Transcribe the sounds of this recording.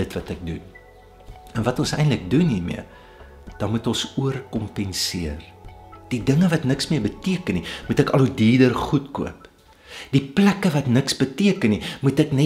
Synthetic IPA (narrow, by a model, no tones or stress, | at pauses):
ətvɐtək̚dun | ənvɐtɔnsɛjntlək̚dunɦirmḭə | d̥ɐnmutɔnsuərkɔmpɛnsiər | d̥idəŋəvɐtnəksmiərbətiəkənimutɛkɐludiːdərχutkṵəp | d̥iplækəvɐtnəksbətiəkənːimutɛknɛ